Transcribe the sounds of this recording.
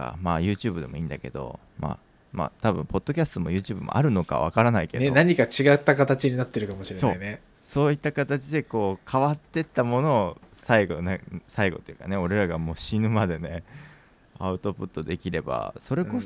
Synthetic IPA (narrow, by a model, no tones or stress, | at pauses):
a̰majɯ̟ːt͡ɕɨ̟ːbɯ̟d̪e̞mo̞ĩːnd̪ake̞d̪o̞̰ | ma̰ | ma̰t̪abɯ̟̃mpo̞d̪ːo̞kʲasɨ̥t̪o̞mo̞jɯ̟ːt͡ɕɨːbɯ̟mo̞̰ʔa̰ɾɯ̟no̞ka̰β̞a̰kaɾanaike̞d̪enaɲ̟ikat͡ɕiɡat̪ːakat̪at͡ɕiɲ̟inat̪ːe̞ɾɯ̟kamo̞ɕiɾeso̞ne | so̞ːit̪ːakat̪at͡ɕid̪e̞ko̞ːkʰaβat̪ːe̞t̪ːamo̞no̞ːsaiɡonasaiɡo̞̰t̪ːejɯ̟̰ːkane̞o̞ɾe̞ɾaɡamo̞ːɕinɯ̟mad̪e̞ne̞ | aɯ̟t̪o̞pɯ̟t̪ːo̞d̪e̞kʲiɾe̞ba̰so̞ɾe̞ko̞